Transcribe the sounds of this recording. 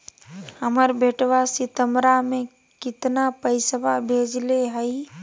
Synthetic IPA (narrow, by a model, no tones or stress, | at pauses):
həməɾbʱeːʈʋasɪt̪əmɾamẽ | kɪt̪napəɪsəbabʱeːd͡ʒleɦəi